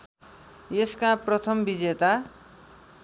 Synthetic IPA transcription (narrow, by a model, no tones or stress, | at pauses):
jeskãprʌt̪ʰʌmbid͡zet̪a